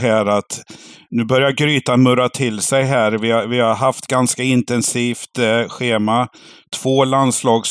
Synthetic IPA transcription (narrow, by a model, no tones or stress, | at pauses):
ɦæːɾat̪nʉ̟ːbœɾjaɡɾyːt̪amɵɾat̪ʰɪlːsɛjɦæːɾvɪhavɪhaɾɦaft̪ɡanskaɪnt̪ɛnsiːft̪ɧeːma | t̪ʰv̥oːlanslɑːɡs